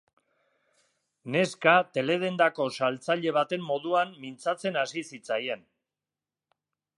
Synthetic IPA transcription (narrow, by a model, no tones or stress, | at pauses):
ne̞skat̪e̞le̞ð̞e̞nd̪ako̞salt͡saʎe̞β̞at̪e̞mːo̞ðuanmint͡sat͡se̞nasisit͡saje̞n